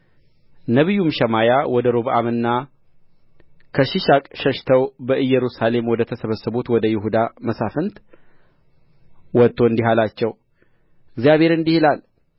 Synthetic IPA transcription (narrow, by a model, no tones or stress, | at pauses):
nəβijːumʃəmajawɔd̪əɾoβʔa̰mɨnːa | kʰəʃiʃakʼʃəʃt̪ʰəwbəʔɨjːɛɾusale̞mwɔd̪ət̪ʰəsəβəsːəβut̪wɔd̪əjɪɦud̪aməsafənt̪ | wɔt̪ʰːo̞ɨnd̪iɦalat͡ʃːɛw | ɨɡzijaβhe̞ɾɨnd̪ihilal